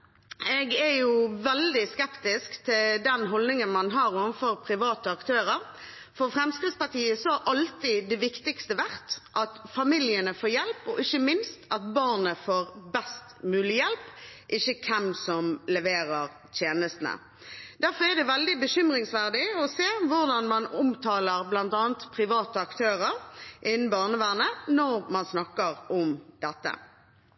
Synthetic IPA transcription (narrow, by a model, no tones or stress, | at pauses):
ɛɡɛjʊʋɛld̪ɪskɛpt̪ɪskt̪ʰɪld̪ɛnɦɔld̪ɪŋənmɑnɦɑːɾɔʋfɔɾpʰɾɪʋɑːt̪əɑkt̪ʰøːɾəɾ | fɔɾfɾɛmskɾɪt̪spɑʁtiːəsɔɑʔɑlt̪ɪd̪ɛʋɪkt̪ɪkst̪əʋæʁt̪ʔɑt̪fɑmɪljənəfoːjɛlpɔʔɪçəmɪnst̪ɑt̪bɑʁnəfoːɾbɛst̪mʉːlɪjɛlpʔɪçːəkʰɛmsɔmlɛʋeːɾəʁ | t̪ʰjeːnəst̪n̩ə̰ | d̪̥æʁfɔʁɛd̪ɛʋɛld̪ɪbəɕʏmʁɪŋsʋæʁd̪ɪɔseːʋʊʁd̪ɑnmɑnʊmt̪ʰɑːləʁblɑnt̪ɑːnt̪pʰʁɪʋɑːt̪əɑkt̪ʰøːʁəɾʔɪnn̩bɑːʁnəʋæːʁnənɔɾmɑnsnɑkːəɾɔmd̪̥ɛt̪ːə̰